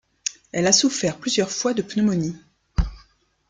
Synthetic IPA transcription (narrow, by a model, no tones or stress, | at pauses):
ɛlasufɛʁplyzjœʁfwad̪əpnɔmɔni